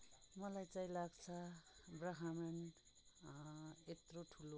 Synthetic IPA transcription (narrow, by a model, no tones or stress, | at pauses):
mʌlajt͡saĩlaɡt͡sʰʌbraɦamen | et̪roʈʰulo